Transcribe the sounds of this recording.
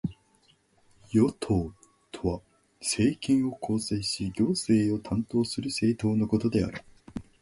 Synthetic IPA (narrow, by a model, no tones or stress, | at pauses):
jo̞t̪ʰo̞ː | t̪ʰoβa | se̞ːkʲĩɰ̃o̞kʰo̞ːse̞ːɕiɡʲo̞ːse̞ːo̞t̪ʰãnt̪o̞ːsɨɾɯ̟se̞ːt̪o̞ːno̞ko̞t̪o̞d̪e̞a̰ɾɯ̟